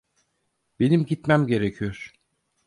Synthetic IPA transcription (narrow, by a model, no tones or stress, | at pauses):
b̥e̞nimɟit̪mæmɟe̞ɾecʰijoɾ̥